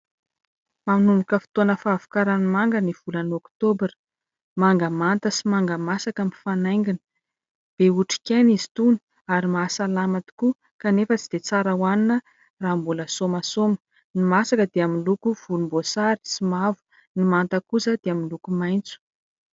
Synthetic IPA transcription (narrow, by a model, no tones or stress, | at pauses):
mamnumukəfi̥t̪onəfaːvu̥kaɾanimaŋɡəniv̥ulənokt̪obɾi̥ | maŋɡamant̪əsimaŋɡamasakamifanajŋɡinə̥ | b̥euʈ͡ʂi̥kʲenizi̥t̪uni̥ | aɾimasalamat̪i̥ku | kanefət͡si̥d̪̥et͡saɾəwaninə | raːmbuləsomasomə̥ | nimasakəd̪eaminlukuv̥ulumbosaɾi̥simavu̥ | nimant̪əkuzəd̪̥eaminlukumajnt͡su̥